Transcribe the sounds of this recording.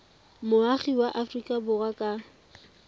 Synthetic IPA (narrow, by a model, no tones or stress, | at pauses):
mʊaχiwaʔafrikʼabʊrakʼa